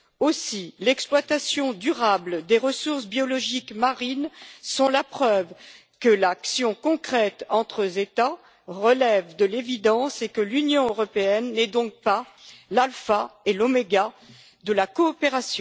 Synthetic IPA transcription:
osilɛksplwat̪asjɔ̃d̪yʁabld̪eʁəsuʁsbjɔlɔʒikmaʁinsɔ̃lapχœv | kəlaksjɔ̃kɔ̃kχɛt̪ɑ̃t̪χəzet̪a | ʁəlɛvd̪əlevid̪ɑ̃sekəlynjɔ̃øʁɔpeɛnːɛd̪ɔ̃k̚pa | lalfaelomeɡa | d̪əlakɔːpeʁasjɔ̃

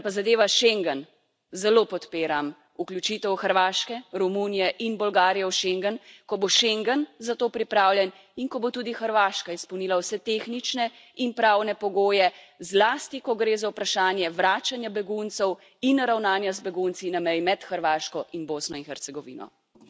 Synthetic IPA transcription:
pazad̪eːʋaʃeŋɡən | zɛloːpɔt̪peːɾam | uklʲut͡ʃit̪ɛwxəɾʋaːʃkɛɾɔmunijɛʔinbɔlɡaːɾijɛwʃeŋɡənkɔboʃeŋɡənzat̪oːpɾipɾaːwljɛn | iŋkɔbot̪ud̪ixəɾʋaːʃkaispɔwniːlawsɛt̪eːxnit͡ʃnɛ | inpɾaːwnɛpɔɡoːjɛzlaːst̪ikɔɡɾeːzawpɾaʃaːnjɛʋɾaːt͡ʃanjabɛɡunt̪sɛw | inɾawnaːnjazbɛɡunt̪sinamɛjmɛt̪xəɾʋaːʃkɔʔinboːsnɔinxɛɾt̪sɛɡɔʋḭːnɔ̰

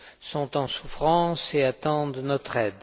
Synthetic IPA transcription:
sɔ̃t̪ɑ̃sufχɑ̃seat̪ɑ̃d̪nɔt̪χɛd̪

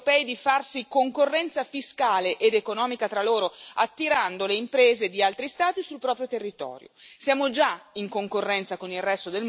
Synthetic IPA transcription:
pɛːid̪ifarsikoŋkorːɛnt̪safiskaːleʔed̪ekonɔːmikat̪ɾaloːɾoat̪ːiɾand̪oleimpɾeːzed̪ialt̪ɾist̪aːt̪isulpɾɔːpɾjot̪erːit̪ɔ̰ːɾjo̰sjaːmod͡ʒaiŋkoŋkorːɛnt̪sakonilrɛst̪od̪el

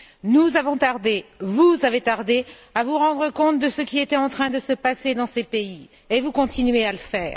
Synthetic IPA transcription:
nuzavɔ̃t̪aʁd̪evuzavet̪aʁd̪eavuʁɑ̃d̪ʁəkɔ̃t̪̚d̪əsəkʲiet̪ɛɑ̃t̪χɛ̃d̪əsəpased̪ɑ̃sepei | evukɔ̃t̪inɥealəfɛːʁ

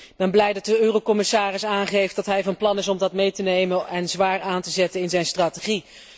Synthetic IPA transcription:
ɪɡ̚bɛnblɛjdɑt̚dəøːrowkɔmɪsaːrɪsaːnχejftdɑtɦɛjvɑnplɑnɪsɔmdɑtmejtənejmənɛnzʋaːɹaːntəzɛtənɪnzɛjnstraːteχi

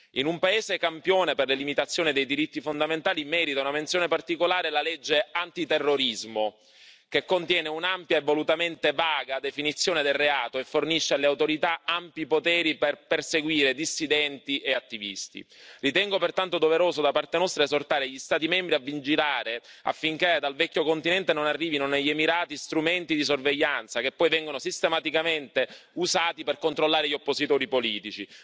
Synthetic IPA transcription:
inumpaeːzekampjoːneperlelimit̪at̪sːjoːnid̪ejd̪iɾit̪ːifond̪ament̪aːlimɛːɾit̪aunament̪sjoːnepart̪ikolaːɾelalɛd͡ʒːeant̪it̪erːoɾizmo | kekːont̪jɛːneunampjaevːolut̪ament̪evaːɡad̪efinit̪sːjoːned̪elreaːt̪oefːorniʃːealeawt̪oɾit̪aampjipot̪ɛːɾiperperseɡwiːɾed̪isːid̪ɛnt̪iʔeat̪ːivist̪ḭrit̪ɛŋɡopert̪ant̪od̪oveɾoːsod̪apart̪enɔst̪ɾaezort̪aːɾeʎːist̪aːt̪̬imɛmbɾiavːind͡ʒilaːɾea̰fːiŋked̪alvɛkːokont̪inɛnt̪enonarːiːvinoneʎːemiɾaːt̪ist̪ɾument̪id̪is̬orveʎːant̪sakepːɔjvɛŋɡonosist̪emat̪ikament̪euzaːt̪iperkont̪ɾolːaːɾeʎːiopːosit̪oːɾipoliːt̪it͡ʃi

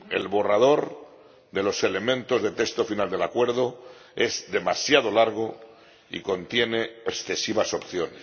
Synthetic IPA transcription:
e̞̰lβo̞rað̞o̞ɾ | d̪e̞lo̞se̞le̞mẽ̞nt̪o̞zðet̪est̪o̞finald̪e̞lakwe̞ɾðo | e̞zd̪e̞masjaðo̞laɾɣ̞o̞ | ḭko̞nt̪je̞ne̞esθe̞siβaso̞pθjo̞nes

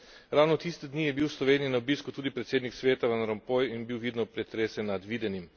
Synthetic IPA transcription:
ɾawnɔt̪ist̪ɛd̪nijɛbiwslɔʋeːnijinaobiskut̪uːd̪ipɾɛt̪seːd̪niksʋeːt̪aʋanɾɔmpɔjinbiwʋiːd̪nɔpɾɛt̪ɾeːsɛnad̪ʋiːd̪ɛnim

